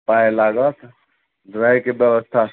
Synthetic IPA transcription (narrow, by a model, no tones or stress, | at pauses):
paelaɡət̪ | d̪ɾəɦjkebjəbəst̪ʰa